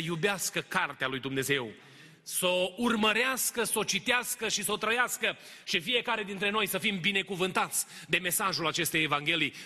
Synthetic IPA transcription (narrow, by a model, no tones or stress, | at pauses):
jubeaskəkart̪ealujd̪umne̞ze̞w | sourməɾeaskəso̞t͡ʃit̪easkəʃiso̞t̪ɾəjaskəʃifije̞kaɾe̞d̪int̪ɾe̞no̞jsəfimbine̞kuvɨnt̪at̪sʲd̪e̞me̞saʒulat͡ʃe̞st̪ejevaŋɡʲe̞lij